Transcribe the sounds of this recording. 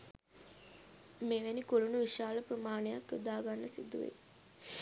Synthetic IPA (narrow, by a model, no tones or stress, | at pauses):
meʋænikolunuʋiʃaːləprəmaːnejakjod̪aːɡanːəsid̪uʋḛ